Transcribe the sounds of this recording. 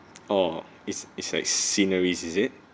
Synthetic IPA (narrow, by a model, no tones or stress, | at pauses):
o | itsitslaɪk̚sinəɹisizit̚